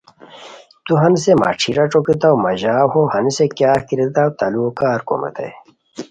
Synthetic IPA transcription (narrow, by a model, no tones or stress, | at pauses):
t̪uɦɐnsema̰ːʈ͡ʂʰiɾaʈ͡ʂokit̪awmɐʑaːhohɐnsekjaːkiɾed̪awt̪alukaːɾko̰mɐ̰t̪ḛj